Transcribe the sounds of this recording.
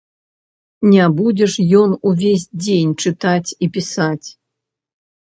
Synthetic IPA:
nʲɛbud͡zʲɛʂjɔnuvʲes̬ʲd͡zʲenʲt͡ʂɨt̪at͡sʲipʲisat͡sʲ

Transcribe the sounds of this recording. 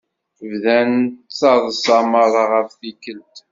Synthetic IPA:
vðænət̪t͡sːɑðˤsɑmɑɾˤɑʁəfθikəlt̪

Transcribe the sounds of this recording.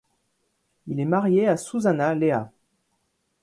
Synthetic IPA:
ilɛmaʁjeasuzanalea

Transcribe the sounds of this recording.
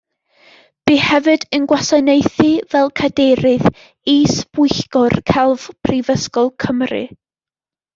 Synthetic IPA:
b̥ihɛvɨdənɡwasanejθɨvɛlˠkʰadeɾɨð | isb̥ʊɨɬkɔrkʰɛlˠv̥pʰrivəskɔlˠkʰəmrɨ̰

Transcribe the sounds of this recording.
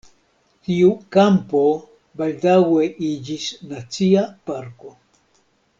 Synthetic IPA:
t̪iukampo | bald̪aɡweʔiʎisnat͡siapaɾko

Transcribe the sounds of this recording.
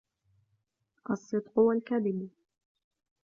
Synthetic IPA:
ʔɑsˤːɨd̪qʊwalkad̪ɪb

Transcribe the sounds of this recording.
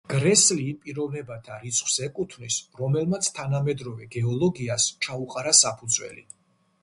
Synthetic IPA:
ɡ̥ɾɛsliːpʼiɾɔvnɛbat̪ʰaɾit̪sʰʼχʰʼwsɛkʼut̪ʰvnisɾɔmɛlmat̪sʰt̪ʰanamɛd̪ɾɔvɛɡɛɔlˠɔɡiast͡ʃʰauqʼaɾasapʰud̪zwɛ̰lḭ

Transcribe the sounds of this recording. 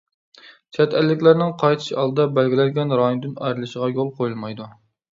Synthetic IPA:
t͡ʃʰɛt̪ʰælːɪkʲlæɾnɪŋqʰɑjt̪ʰɨ̥ʃɑlˠd̪ɨd̪ɑbælɡʲɪlɛnɡʲɛnɾɑjonɨd̪ɪnɑjɾɨlˠɨʃəʁɑjolˠqʰojulˠmɑjd̪u

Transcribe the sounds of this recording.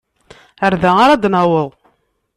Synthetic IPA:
əɾðæaɾad̪næwəðˤ

